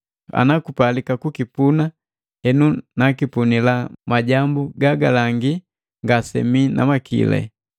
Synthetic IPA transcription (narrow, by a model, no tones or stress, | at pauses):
a̰nakupalikakukipuna | hɛnunakipunilamaɟambuɡaɡalaŋɡi | ŋɡasɛ̰mina̰makḭlɛ̰